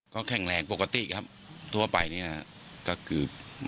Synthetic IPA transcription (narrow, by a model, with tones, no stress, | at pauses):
kɔː˥˩kʰɛ˨˩ŋɾɛː˨˧˦ŋpo˨˩ka˧t̪ḭ˨˩kʰa˦˥p̚ | t̪ʰu˥˩ɐpa˧jni˥˩ɐ | kɔː˥˩kʰɯː˨˩p̚